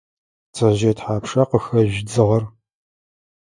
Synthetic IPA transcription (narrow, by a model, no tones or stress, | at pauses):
t͡sʰɐʒeːtħaːpʰʂɐqəxɐʒd͡zɨʁɐr